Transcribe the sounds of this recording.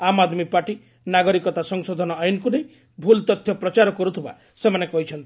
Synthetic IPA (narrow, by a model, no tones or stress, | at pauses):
amad̪mipaʈi | naɡɔɾikɔt̪asɔŋsɔd̪ʱɔnɔajunɔkunej | bʱult̪ɔt̪ʰːjɔpɾɔt͡ʃaɾɔkɔɾut̪ʰiba̰ | semanekɔɦit͡ʃʰɔnt̪i̥